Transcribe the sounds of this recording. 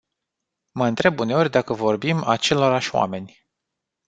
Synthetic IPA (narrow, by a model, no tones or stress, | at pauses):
məɨnt̪ɾe̞bune̞o̞rʲd̪akəvo̞rbima̰t͡ʃe̞lo̞ɾaʃwa̰me̞nʲ